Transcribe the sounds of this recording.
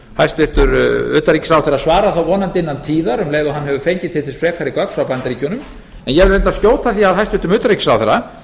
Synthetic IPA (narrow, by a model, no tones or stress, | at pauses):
hajst̪ɪft̪ʏɾʏ̰ːt̪aɾiːksɾawθɛɾasvaːɾaθawɔːnant̪ɪnːant̪ʰiːðaɾʏmleːjðʏɦanɦɛvʏfejɲcɪt̪ʰɪlθɛsfɾɛːkʰaɾɪkœk̪fɾawpant̪aɾiːcʏnʏm | ɛnjɛvɛɾent̪ast̪joːwt̪aθiaðhajst̪ɪɾt̪ʏmʏːt̪aɾicsɾaːwθɛɾa